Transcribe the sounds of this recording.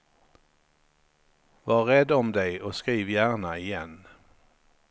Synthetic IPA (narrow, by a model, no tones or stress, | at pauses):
vaɾɛd̪ːɔmd̪ɛjɔskɾiːvjæːɳaɪjɛn